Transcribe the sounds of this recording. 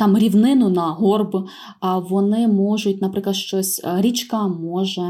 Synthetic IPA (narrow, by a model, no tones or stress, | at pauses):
t̪ɑmɾʲiwnɪnʊnɐɦɔrb | ʋɔnɪmɔʒʊt̚ʲnɐpɾɪklˠɐd̪ʃt͡ʃɔsʲɾʲit͡ʃkɐmɔʒɛ